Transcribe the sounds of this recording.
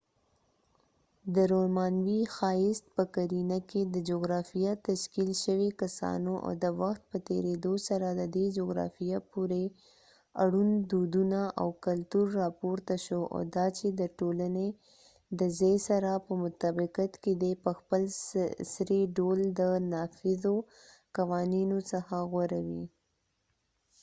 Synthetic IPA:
d̪əɾomɑnwixɑjɪst̪̚pəkaɾinaked̪əd͡ʒoɡɾɑfijat̪aʃkilʃəwekasɑ̰noʔa̰wd̪əwaxt̪̚pət̪ḛɾed̪osaɾad̪əd̪ed͡ʒoɡɾɑ̰fijapuɾe | aɽund̪ud̪unaʔa̰wkalt̪uɾːɑpoɾt̪aʃoʔa̰d̪ɑt͡ʃed̪əʈolane | d̪əzejsaɾapəmʊt̪abɪqat̪ked̪epəxpəlsɾeɖold̪ənɑfɪzo | kawɑninosəxaɣwaɾawi

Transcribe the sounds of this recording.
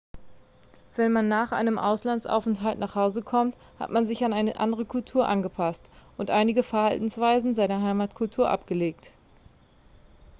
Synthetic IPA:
v̥ɛnmanːaːχʔa̰ɪnəmʔa̰ʊslansʔa̰ʊfɛn̩tɦaltnaːχhaʊzəkʰɔmt | ha̰tmanzɪçanaɪnəʔa̰ndəʁəkʰʊltʰuːɐʔanɡəpʰastʔʊntʔaɪnɪɡəfɛɐhaltn̩sv̥aɪzn̩zaɪnɐɦaɪmaːtkʰʊltʰuːɐʔa̰pɡ̥əleːkt

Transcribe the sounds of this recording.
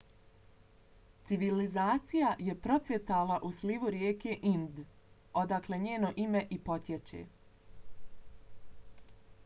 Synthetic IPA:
t̪siʋilizaːt̪sijaje̞pɾo̞t̪sʋʲje̞t̪aːlaʔusliʋuɾjeːkeʔind̪ | o̞d̪akleɲeːno̞ʔimeʔipo̞t̪jet͡ʃḛː

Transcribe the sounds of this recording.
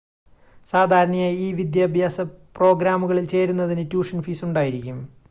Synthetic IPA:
saːd̪ʱaːɾɐɳɐjaːjiːʋid̪jaːbʱjaːsɐpro̞ːɡɾaːmuɣɐɭilt͡ɕe̞ːɾunːɐðinɨtjuːʂɐnfiːsuɳɖaːjiɾikʲːum

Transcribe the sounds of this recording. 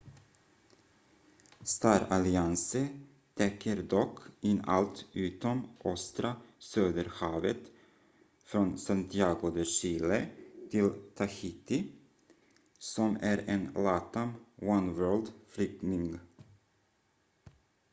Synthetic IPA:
st̪ɑːɾalɪansə | t̪ʰɛkʰːəɾd̪ɔkʰːɪnːa̰lt̪ʉ̟ːt̪ɔmʔɔst̪ɾasøːd̪əɾhɑːvət̪ | fɾɔnsant̪ʰɪɑːɡʊd̪əʂiːlət̪ʰɪlt̪ʰaçɪt̪ɪ | sɔmæɾenlɑːt̪amwanwɜːld̪flʏk̚nɪŋ

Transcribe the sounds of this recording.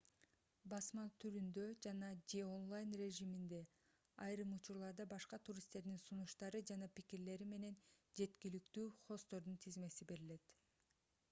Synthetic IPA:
bɑsmɑt̪ʰyɾynd̪ø̞d͡ʒɑnɑd͡ʒeo̞nlˠajnre̞ʒimind̪e̞ | ɑjɾɯmut͡ʃuɾlˠɑɾd̪ɑbɑʃqɑt̪ʰuɾʲist̪e̞ɾd̪insunuʃt̪ɑɾɯd͡ʒɑnɑpikiɾle̞ɾime̞ne̞nd͡ʒe̞t̪kilyk̚t̪yːχo̞st̪o̞ɾd̪unt̪ʰizme̞sibe̞ɾile̞t̪

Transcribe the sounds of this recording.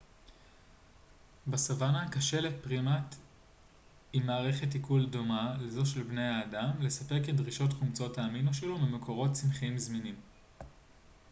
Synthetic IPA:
basavanakaʃe̞letpʁimat | imːaːʁe̞χet̬ikuldo̞malezo̞ʃelbnejaːdamle̞sape̞ʁkedʁiʃo̞tχumt͡so̞taːminuʃelomemekʰo̞ʁo̞tt͡sinχiimzminim

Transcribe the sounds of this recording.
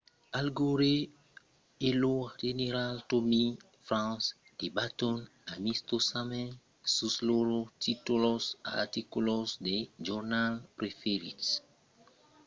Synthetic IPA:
alɡoɾe | eload͡ʒeneɾaltomi | fɾãns | d̪̥ebat̪onamist̪osamɛ̃n | susloɾotit̪ulosa̰a̰t̪ikulosd̪ed͡ʒɔɾnalpɾefeɾits

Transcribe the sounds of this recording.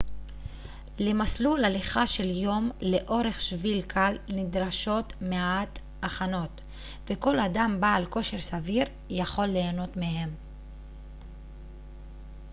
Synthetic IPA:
lemaslulaliχaʃe̞ljo̞mle̞ʔo̞ʁe̞χʃvilkʰalnidʁaʃo̞tmeaat | aχano̞t̪ | veko̞ladambaːlko̞ʃe̞ʁsaviʁ | jaχo̞lːe̞ːno̞tmeɦe̞m

